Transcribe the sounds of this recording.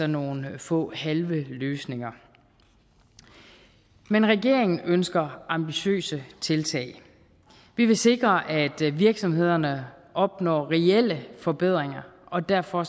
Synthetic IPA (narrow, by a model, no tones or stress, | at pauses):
ɒno̝ːn̩fɔ̰̽ːhælʋəløːsne̝ŋɐ | menʁɛɡ̥e̝ɐ̰eŋn̩ʔønsɡ̥ɐʔɑ̈mb̥iɕø̰ːsət͡sʰe̝lt͡sʰɛ̰ːɪ | ʋiʋe̝se̝ɡ̥ʁɐʔæd̥ʋiɐɡ̥sɒ̽mhe̝ð̞̰ˠɐnəʔɒ̽b̥nɒ̰ːʁɛel̰əfɒ̽b̥e̝ð̞̰ˠʁeŋɐʔɒ̽d̥æɐ̰fɒ̽